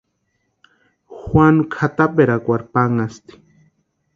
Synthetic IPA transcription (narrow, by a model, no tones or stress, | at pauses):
xwanukʰat̪apeɾakʷaɾpaŋast̪i̥